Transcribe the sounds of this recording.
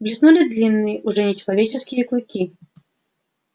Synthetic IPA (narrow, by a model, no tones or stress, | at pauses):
blʲisnulʲid̪lʲinːɨjɛʔuʐɛnʲɛt͡ʃɐlˠavʲet͡ʃɛskʲijɛklujkʲi